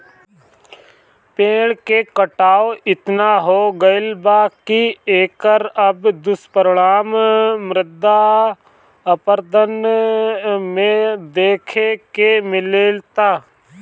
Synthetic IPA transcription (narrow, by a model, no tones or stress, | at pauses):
peːɽkekəʈaːoɪt̪naɦoːɡəɪlbaːkieːkəɾəbd̪ʊspəɾɽaːmmɾɪd̪a | əpəɾd̪ən | mẽd̪eːkʰekemɪlelt̪aː